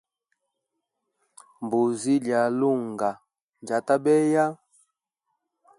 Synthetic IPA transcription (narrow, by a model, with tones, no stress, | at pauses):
mbu˨zi˦lja˨lu˦˨ŋɡa˨ | nd͡ʒa˨ta˦ɓɛ˦ja˦